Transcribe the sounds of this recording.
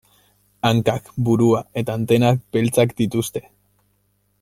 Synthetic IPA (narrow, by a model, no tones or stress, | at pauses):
aŋkakbuɾuae̞t̪aːnt̪e̞nak̚be̞lt͡sakd̪it̪ust̪e̞̥